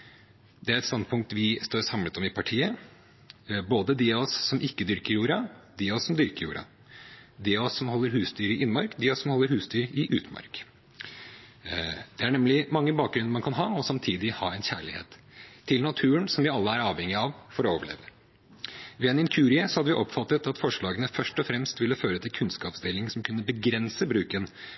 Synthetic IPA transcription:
d̪ɛæɾɛt̪st̪ɑnd̪̚pʰʊŋkt̪ʋɪst̪oːɾsɑmlət̪ɔmɪpʰɑʈʰiːə | boːd̪əd̪ɪɔsːɔmʔɪkːəd̪ʏɾkəɾjuːɾɑd̪ɪɔsːɔmd̪ʏɾkəɾjuːɾɑ̰ | d̪ɪɔsːɔmhɔlːəɾhʉːsd̪yːɾəɪʔɪnːəmɑɾkd̪ɪɔsːɔmhɔlːəɾhʉːsd̪yːɾɪʔʉ̰ːt̪əmɑ̰ɾk | d̪̥ɛæɳɛmlɪmɑŋːəbɑːk̚ɡɾʉnəmɑnkʰɑnɦɑːɔsɑmt̪ʰiːd̪ɪhɑːɛɪnçæ̰ːɭɪhḛːt̪ʰː | ɪlnɑt̪ʰʉːənsɔmʋɪɑlːəæɾɑːʋhɛŋːɪɑʋfɔɾɔoːʋəɭḛːʋə | ʋɛɛnɪnkʰʉːɾɪəsɔhɑd̪əʋɪʔɔpfɑt̪ːət̪ɑt̪fɔʂɭɑːɡənəfœʂʈɔfɾɛmst̪ʋɪlːəføːɾət̪ʰɪlkʰʉnskɑːpsd̪eːlɪŋsɔmkʰʉnːəbəɡɾɛnsəbɾʉːkən

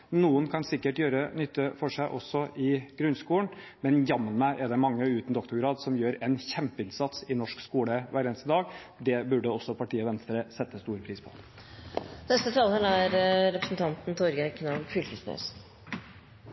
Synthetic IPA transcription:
nuːənkʰɑnsɪkːəʈjøːɾənʏt̪ːəfɔʂæɪʔɔsːɔʔɪɡ̥ɾʉnskuːəɳ | mɛnjɑmːənmæʔɛd̪ɛmɑŋːəʉːt̪n̩d̪ɔkt̪ʊɾɡɾɑːd̪sɔmjøːɾɛnçɛmpəɪnsɑt̪sɪnɔʂkskuːləʋæːɾɛːnst̪əd̪ɑːɡ | d̪ɛbʉɖəɔsːɔpʰɑʈiːɔʋɛnst̪əɾəsɛt̪ːəst̪uːɾpʰɾiːspʰɔ̥̰ | nɛst̪ət̪ʰɑːld̪ɛlæɾɾɛpɾəsn̩t̪ʰɑnt̪n̩t̪ʰɔɾɡəkʰnɑʋfʏlkəsnœ̰s

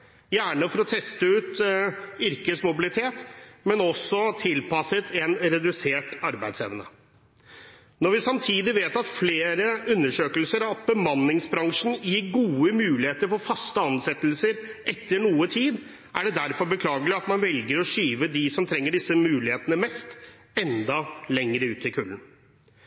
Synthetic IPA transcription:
jæːɳəfɔɾɔt̪ʰɛst̪əʉːt̪ | ʏɾkəsmʊbɪlɪt̪ʰeːt̪mɛnɔsːɔt̪ʰɪlpɑsət̪ʰɛnɾɛd̪ʉseːʈɑɾbæɪd̪sɛʋənə̰ | nɔɾʋɪsɑmt̪ʰiːd̪ɪʋeːt̪ɑt̪fleːɾəʉnːəʂøːkəlsəɾɑbəmɑnːɪŋsbɾɑŋʂn̩jɪɡuːəmʉːlɪheːt̪əɾfɔɾfɑst̪əɑnsɛt̪lsəɾʔɛt̪ːəɳuːət̪ʰiːd̪ | ʔæ̰ɖɛd̪æɾfɔɾbəkʰlɑːɡəlɪɑt̪mɑnʋɛlɡəɾɔʂyːʋəd̪ɪsɔmt̪ʰɾɛŋːəɖɪsːəmʉːlɪheːt̪ənəmɛst̪ | ɛnd̪ɑlɛŋɾəʉːt̪ɪkʰʉlən

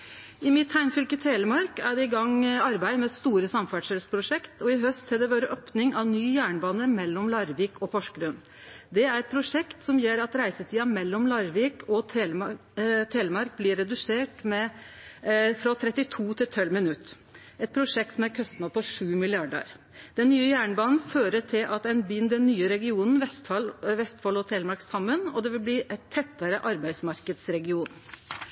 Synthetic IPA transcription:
ɪmɪt̪hæɪmfʏlkət̪ʰeːləmɑɾkæɖɛɪɡɑŋːɑɾbæɪmɛst̪uːɾəsɑmfæʈʂɛlspʰɾʊʂɛkt̪ʰɔɪɦœst̪hɛd̪ɛʋɑːɾəʔɔpnɪŋɑʋnyːjæːɳbɑːnəmɛlːɔmlɑɾʋiːkʰɔpʰɔʂkɾʉn | d̪ɛæɾɛt̪̚pʰɾʊʂɛkt̪sɔmjeːɾɑt̪ɾæɪsət̪ʰiːɑmɛlːɔmlɑɾʋiːkʰɔ | t̪ʰeːləmɑɾk̚blɪːɾɛd̪ʉseːʈmɛ | fɾɑt̪ʰɾɛt̪ːɪt̪ʰuːt̪ʰɪlt̪ʰœlmɪnʉt̪ː | ɛt̪̚pʰɾʊʂɛk̚t̪sɔmæɾkʰœst̪nɑpʰɔʂʉːmɪlɪɑɖə̰ɾ | d̪̥ɛnːyːəjæːɳbɑːnn̩føːɾəʈʰɪlʔɑt̪æɪnbɪnd̪ɛnːyːəɾɛɡɪuːnn̩ʋɛst̪ɑlʋɛst̪fɑlɔt̪ʰeːlmɑɾksɑmːənɔd̪ɛʋɪlbliːʔæt̪ʰːɛt̪ːəɾəʔɑɾbæɪsmɑɾkəd̪sɾɛɡɪuːn

